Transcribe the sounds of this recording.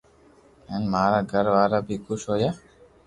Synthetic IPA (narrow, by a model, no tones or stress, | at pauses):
ɛnmaːɾaɡaɾʋaːɾabikuʃoja